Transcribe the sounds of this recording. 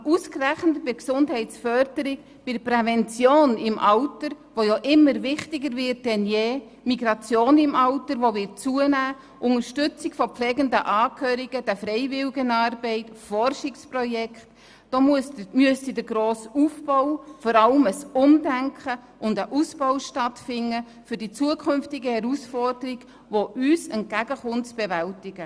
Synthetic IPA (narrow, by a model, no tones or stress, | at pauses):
uskræχnətbɪksʊndɦɛɪt͡sfœɾdəɾɪk | b̥ɪdəprɛvɛnt͡sjoːnɪmʔɑwtəɾ | ʋojoʔɪmːəɾʋɪχtɪɡəɾvɪt̚dɛnjeː | miɡɾɑt͡sjoːnɪmʔɑʊtəɾʋoʋɪt͡suənæː | ʔʊŋəɾʃtʏt͡sɪkfɔpflɛːɡəndəʔɑːkʰøːɾiɡəd̥æfɾɛɪvɪlɡənɑːrbɛɪtfɔrʃɪksprɔjɛkχt | d̥oːmyəstidəɡɾoːsufbɔʊfɔɾɑləməsʊmdæŋkχə | ʔʊndəʔusb̥ɔʊʃtɑtfɪnːə | fʏɾdit͡suəkχʏmftɪɡəhɛɾusfɔrd̥əɾiɡ̥ | ʋoʔyːsɛnt̚kæɡəχʊntt͡sb̥evæltɪɡ̥ə